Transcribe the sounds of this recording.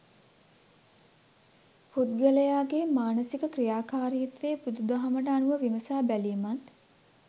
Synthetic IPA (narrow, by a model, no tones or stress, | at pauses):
put̪̚ɡələjaːɡemaːnəsikəkrijaːkaːɾijət̪ʋeːpud̪ud̪aɦaməʈəːnuʋəʋiməsaːbælimat̪